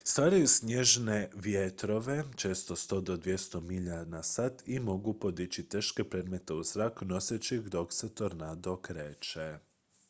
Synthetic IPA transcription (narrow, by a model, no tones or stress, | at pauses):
st̪ʋaːɾajuzsɲe̞ʒneʋjet̪ɾo̞ʋe̞t͡ʃe̞ːst̪o̞st̪o̞d̪o̞d̪ʋje̞st̪o̞miʎanasat̪imo̞ɡupo̞d̪it͡ɕit̪e̞ːʃkepɾe̞d̪me̞t̪e̞uzɾakno̞set͡ʃixd̪o̞kset̪oɾnad̪okɾe̞ːt͡ʃe